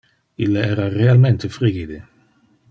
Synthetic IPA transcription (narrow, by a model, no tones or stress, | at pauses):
ilːaɛːɾarealmɛnt̪efɾiɡid̪e